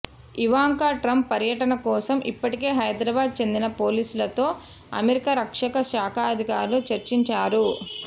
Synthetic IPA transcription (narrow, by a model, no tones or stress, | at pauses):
iʋaːŋkaːʈɾɐmpːɐɾjɐʈɐnɐkɔːsɐmʔḭpːɐʈike̞ːɦɐjd̪ɾɐːbaːd̪̚t͡ʃe̞nd̪inɐpoːliːsulɐt̪o̞ː | ɐ̰meɾikɐɾɐkʂɐkɐʃaːkʰaːɐd̪ʱikaːɾlut͡ʃɐɾt͡ʃiɲt͡ʃaːɾu